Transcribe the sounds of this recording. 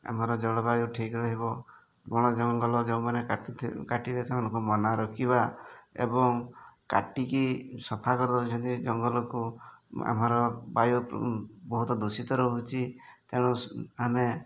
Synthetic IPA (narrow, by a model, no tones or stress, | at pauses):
a̰m̤aɾɔd͡ʒɔɽɔbajuʈʰikɾɔɦibɔ | ɡɔɽ̃ɔd͡ʒɔŋɡɔlɔd͡ʒeũmanekakaʈiɾet̪ʰamanɔŋkumɔnaɾɔkʰibaḛbɔŋka̰ʈikisɔpʰakɔɾɔd̪ɔɦut͡ʃʰɔnt̪id͡ʒɔŋɡɔlɔkua̰maɾɔbajubɔɦut̪ɔd̪usit̪ɔɾɔɦɦut͡ʃʰit̪eɽ̃uame